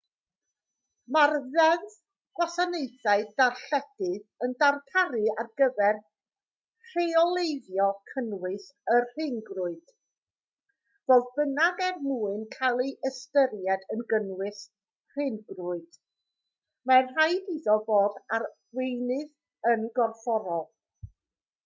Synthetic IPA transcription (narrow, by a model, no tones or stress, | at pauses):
marðɛðð | ɡ̥wasanejθaɨdarɬɛd̥ɨðəndartʰaɾɨarɡ̥əvɛr | r̥eɔlˠejðjɔkʰənwɨsərr̥ɪnɡrʊɨd̥ | voːðbənaɡɛrmuːɨnkʰalˠejʔəstəɾjɛdənɡənwɨs | r̥ɪnɡrʊɨd̥ | manrajdiðɔvoːdar | wejnɨð | ənɡɔrfɔɾɔlˠ